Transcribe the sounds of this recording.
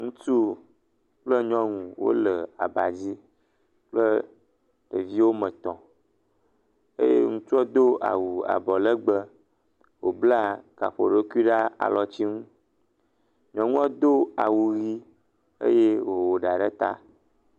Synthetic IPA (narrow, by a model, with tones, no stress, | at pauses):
ŋũ˦t͡ʃu˦ | k͡plə˦ɲɔ̃˦ŋũ˨wo̰˦lə˨a̰˨ba˨d͡ʑi˦ | k͡plə˦ | ɖ̥ə˨vi˦wo˦mə̃˨t̪ɔ̃˨ | ḛ˦jḛ˦ŋũ˦t͡ʃu˦ɔ˦d̪o˦a̰˨wu˨a̰˨bɔ˨lə˦ɡ͡bə˦ | wo˨bla˦ka̰˨ɸo˨ɖə˦ku˦i˦ɖa˦a̰˨lɔ˨t͡ɕi˦ŋũ˦ | ɲɔ̃˨ŋũ˦a˦d̪o˦a̰˨wu˨ɣi˦ | ḛ˦je˦wo˨wo˨ɖa˨ɖə˦t̪a̰˦